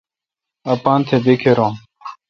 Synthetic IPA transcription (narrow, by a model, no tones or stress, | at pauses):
ɐpãːnt̪ʰebikʰeɾõː